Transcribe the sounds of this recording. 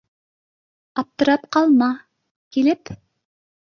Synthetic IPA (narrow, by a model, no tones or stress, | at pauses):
ɑp̚t̪ɤ̆ɾɑpqɑlˠmɑ | kilɘp